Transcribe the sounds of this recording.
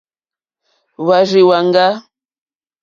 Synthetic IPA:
wa˨ɾi˨wa˨ŋ˦ɡa˦

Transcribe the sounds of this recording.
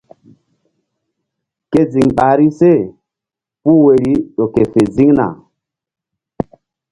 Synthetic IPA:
ke˦zi˨ŋɓa˨ɾi˦se˦˨ | pu˦we˨ɾi˦ɗo˨ke˨fe˨zi˦ŋna̰˨

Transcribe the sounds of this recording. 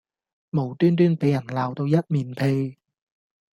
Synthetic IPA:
mo˨˩wt̪yː˥nt̪yː˥npe˨˥jɐ˨˩nlaː˨wt̪o˧wjɐ˥t̚miː˨˩npʰe˧j

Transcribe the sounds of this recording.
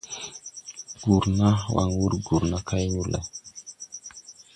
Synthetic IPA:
ɡ̥u˨ɾna˦wa̰˨ŋwu˦ɾɡu˨ɾna˦ka˦jnu˦lḛ˨

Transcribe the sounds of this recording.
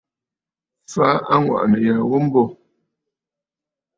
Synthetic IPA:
fa˨˦ʔa˦ŋwa̰˨ʔnə˨ja˨wo˦m̩˦bɔ˦˨

